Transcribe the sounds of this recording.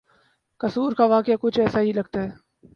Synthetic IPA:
kɐsuːɾkaʋaːkɪakʊt͡ʃʰɛːsaɦilɐɡ̚t̪aɦɛː

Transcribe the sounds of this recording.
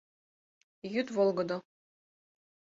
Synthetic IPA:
jyt̪volˠɡɤ̆d̪ɤ̆

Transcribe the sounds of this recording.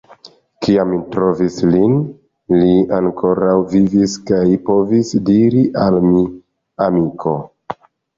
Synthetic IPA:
kiamːitɾo̞vislin | liaŋko̞ɾawviviskajpo̞visdiɾiʔalmi | amikʰo̞

